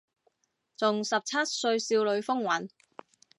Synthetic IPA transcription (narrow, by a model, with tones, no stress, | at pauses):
t͡sʊ˨ŋsɐ˨p̚t͡sʰɐ˥t̚sɵ˧ɥsiː˧wlɵ˨˧ɥfʊ˥ŋwɐ˨˥n